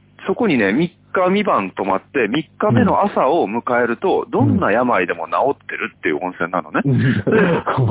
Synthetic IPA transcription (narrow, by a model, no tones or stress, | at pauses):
so̞ko̞ɲ̟ine̞mʲikːamʲibãnt̪o̞mat̪ːe̞mʲikːame̞no̞ʔasao̞mɯ̟kae̞ɾɯ̟t̪o̞d̪õ̞nːajamaid̪e̞mo̞nao̞t̪ːe̞ɾɯ̟t̪ːe̞jɯ̟̰õ̞ɰ̃sẽ̞nːa̰no̞ne̞